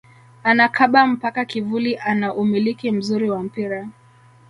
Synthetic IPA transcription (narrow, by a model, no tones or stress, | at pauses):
anakʰaɓam̩pakakivuliʔanaʔumilikim̩zuɾiwam̩piɾa